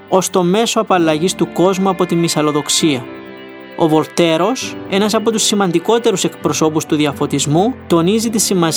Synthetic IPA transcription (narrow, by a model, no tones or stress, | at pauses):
o̞st̪o̞me̞soɐpɐlːɐʝist̪uko̞zmuɐpo̞t̪imːisɐlo̞ðo̞ksiɐ | o̞̰vo̞lt̪e̞ɾo̞se̞nɐsɐpo̞t̪usːimɐnd̪iko̞t̪e̞ɾuse̞kpɾo̞so̞pust̪uðiɐfo̞t̪izmut̪o̞nizit̪isimɐs